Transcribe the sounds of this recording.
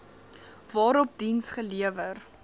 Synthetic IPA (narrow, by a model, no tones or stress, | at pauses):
vɑːɾɔp̚dinsχəliəvər